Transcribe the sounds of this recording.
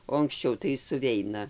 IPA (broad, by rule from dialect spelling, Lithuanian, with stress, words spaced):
oː ɐŋksʲˈt͡ʃʲɛʊ tɐɪ sʊˈʋʲɛɪnɐ